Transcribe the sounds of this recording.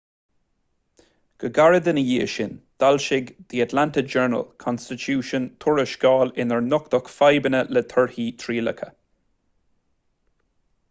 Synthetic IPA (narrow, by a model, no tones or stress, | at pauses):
ɡ̥əɡaɹəd̪ənəjiːəʃɪnd̪̥alʃɪɡd̪̥iːat̪ʰlantəd͡ʒɛɹnə̰lkʰɔnst̪ɪtʰuːʃənt̪ʰʊɹɪʃɡ̥ɑːlɪnəɹnʊkt̪ɔkfajbənələt̪ʰəɹhiːt̪ʰɹiːlə̰kʰə̰